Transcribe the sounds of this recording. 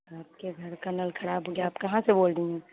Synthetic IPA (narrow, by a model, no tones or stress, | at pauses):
aːp̚keɡʱɐɾkɐnəlkʰɐɾaːbʱɦoːɡjaːpkɐɦãseboːldĩɛ̃ː